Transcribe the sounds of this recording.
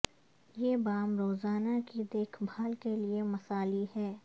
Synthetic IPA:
jeːbaːmɾoːzaːnakid̪eːkʰbʱaːlkeliemɐsaːliɦɛː

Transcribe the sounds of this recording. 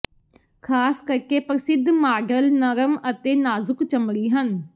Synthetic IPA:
kʰaːskəɾkeːpɾəsɪd̪maːɖəlnəɾəmət̪eːnaːzʊkt͡ʃəmɾiːɦən

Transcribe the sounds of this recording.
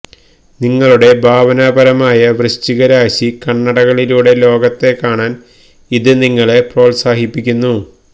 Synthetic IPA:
niŋːɐɭuɽe̞bʱaːʋɐnaːbɐɾɐmaːjɐʋrɨɕt͡ɕiɣɐɾaːɕikɐɳːɐɽɐɣɐɭiluːɽe̞lo̞ːɡɐt̪ːe̞kːaːɳaːn | iðɨniŋːɐɭe̞pro̞ːlsaːɦipːikʲːunːu

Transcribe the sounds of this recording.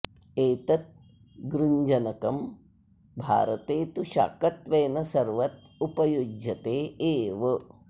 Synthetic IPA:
eːt̪ɐt̪̚ | ɡɾuɲd͡ʒɐnɐkɐm | bʱa̰ːɾɐt̪eːt̪uʃa̰ːkɐt̪ʋeːnɐsɐɾʋɐt̪̚upɐjud͡ʒjɐt̪eːeːʋɐ

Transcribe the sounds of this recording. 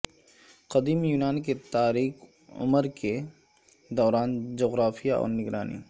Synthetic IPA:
qɐd̪iːmjuːnaːnket̪aːɾiːk | ʊ̰məɾke | d̪ɔːɾaːnd͡ʒoːɣɾaːfijaɔ̰ːɾnɪɡɾaːnḭː

